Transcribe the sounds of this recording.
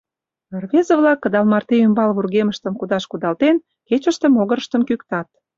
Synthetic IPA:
orβezə̆βlɑkːə̆d̪ɑlmɑrt̪eymbɑlβurɣeməʃt̪ə̆mkud̪ɑʃkud̪ɑlt̪en | ket͡ɕə̆ʃt̪ə̆moɣə̆ɾə̆ʃt̪ə̆mkykt̪ɑt̪̚

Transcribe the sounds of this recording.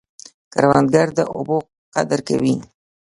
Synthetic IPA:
kaɾwɑnd̪ɡaɾd̪əʔʊ̰bo | qa̰d̪əɾka̰win

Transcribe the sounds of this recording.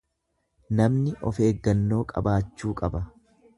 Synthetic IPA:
nɐmnɪʔɔ̰fe̞ːɡːɐnːo̞ːkʼɐ̰baːt͡ʃːuːkʼɐbɐ

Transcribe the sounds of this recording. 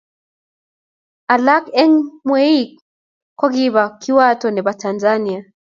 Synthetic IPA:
alakɛŋmwɛik̚ | kwaɣiβakiwatɔniβatanzania

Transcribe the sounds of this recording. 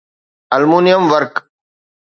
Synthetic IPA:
ɐlmuːnɪjəmʋəɾk

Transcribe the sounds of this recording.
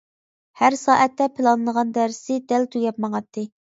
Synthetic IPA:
hæɾsɑːʔɛt̪ːɛpʰɪlˠɑnlˠəʁɑnd̪æɾsɪd̪ælt̪ʰujɑpmɑŋɑt̪ʰːɨ

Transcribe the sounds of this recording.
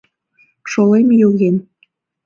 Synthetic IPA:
ʃolemjoɣen

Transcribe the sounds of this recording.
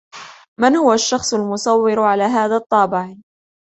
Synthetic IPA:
mɪnhʊwaʃːɑxsˤʊlmʊsˤɑwːɪɾʕalaːɦaːðaːt̪ˤːɑːbɪʕ

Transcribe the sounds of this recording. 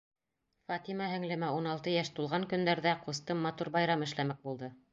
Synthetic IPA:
fɑt̪imɑɦɘ̆ŋlɘ̆mæunɑlˠt̪ɤjæʃt̪ulˠʁɑŋkɵ̆nd̪æɾðæqust̪ɤmːɑt̪uɾbɑjɾɑmɘ̆ʃlæmæk̚bulˠd̪ɤ

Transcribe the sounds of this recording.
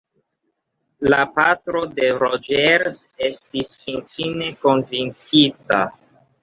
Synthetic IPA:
lapatɾo̞de̞ɾod͡ʒeɾs | e̞stisfint͡ʃine̞ko̞nvinkita̰

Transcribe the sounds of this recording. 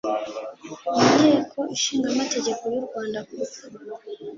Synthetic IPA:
indeːkʰo̞iʃiːŋɡamate̞ɟe̞ko̞juɾɡwaːndaku

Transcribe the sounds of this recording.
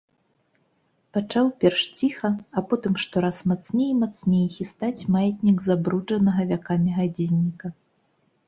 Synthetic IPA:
pat͡ʂawpʲɛrʂt͡sʲixɐɐpɔt̪ɨmʂt̪ɔɾasmat̪snʲejmat̪snʲejxʲist̪at͡sʲmajɛt̪ʲnʲiɡzabɾud͡ʐɐnɐɣɐvʲakamʲiɣad͡zʲinʲːikɐ

